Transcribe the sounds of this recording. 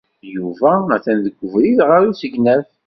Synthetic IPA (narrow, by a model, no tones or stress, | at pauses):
juvææθænðəɡʷːəvɾiðʁaɾusəʝnæv